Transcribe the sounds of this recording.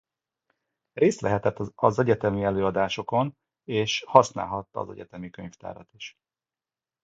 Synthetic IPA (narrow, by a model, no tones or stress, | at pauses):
reːst̪lɛɦɛt̪ɛt̪ːɒzɛɟɛt̪ɛmiɛløːɒd̪aːʃo̞ko̞n | eːʃhɒsna̰ːlɦɒt̪ːɒ̰ːzɛ̰ɟɛt̪ɛmikøɲft̪a̰ːɾɒt̪iʃ